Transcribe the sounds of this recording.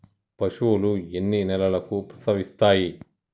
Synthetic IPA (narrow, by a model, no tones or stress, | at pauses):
pɐʂuːluenːinɛlɐlɐkupɾɐ̥sɐʋist̪aːji